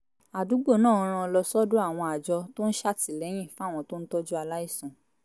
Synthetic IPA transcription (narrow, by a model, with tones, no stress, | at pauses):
a˨du˨˦ɡ͡bo˦˨nãː˦˨ɔ˧ɾ̃ã˧lɔ˧sɔ˦du˦a˦˨w̃ɔ̃˧a˨d͡ʒɔ˧to˦n̩˦ʃa˦˨ti˨lɛ˨˦j̃ĩ˦˨fã˦˨ɔ̃˧to˦n̩˦tɔ˦d͡ʒu˦a˧la˦i˦˨sɔ̃˨